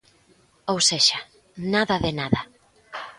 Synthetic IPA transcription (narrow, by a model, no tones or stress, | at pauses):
owseʃa | naðɐðɪnaðɐ